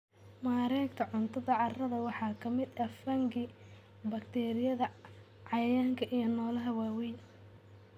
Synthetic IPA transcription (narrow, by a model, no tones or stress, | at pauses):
maːɾɛːkt̪ʰɐʕʊnt̪ʰɐðɐʕɑrɐðɐwɑħɑːkʰɐmɪd̪ɐfɐŋɡɪ | bɐkt̪ʰɛːɾɪjɐðɐ | ʕɑjaːŋkʰɐʔijɐnɔːlɐɦɐwaːwi